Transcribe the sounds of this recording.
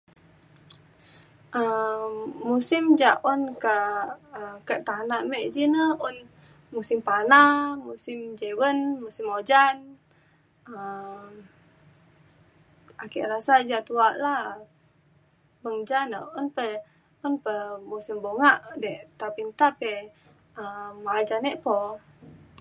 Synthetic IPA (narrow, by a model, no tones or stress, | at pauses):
ʔəː | usɪmd͡ʒaʔʔɔnkəəkəʔt̪anaʔmɛʔd͡ʒinəun | musimpanamusɪmd͡ʒewənmusimod͡ʒan | ə | akḭʔɾasad͡ʒat̪uaʔla | bəŋd͡ʒanə̰unpə | unpəmusimboŋaʔdɛʔt̪apint̪apɛ | əmaːd͡ʒanɛʔpo